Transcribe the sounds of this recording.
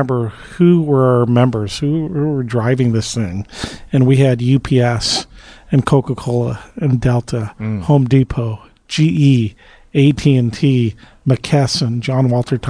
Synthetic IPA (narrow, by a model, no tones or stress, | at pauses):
mbə˞ | huwə˞ə˞mɛ̃mbə˞z̥huhuə˞dɹaɪvɪ̃ŋðɪsθɪ̃ŋɨ̃nwiɨdjʉpʰiɛsɨ̃nkʰoʊkəkʰoʊlˠəɨ̃ndɛlˠtʰəhõʊ̃mdipʰoʊ̥ | d͡ʒiʔi | eɪtʰiɨ̃ntʰi | mɨkʰɛsɨ̃nd͡ʒɑ̃nwɔlˠtʰə˞tʰ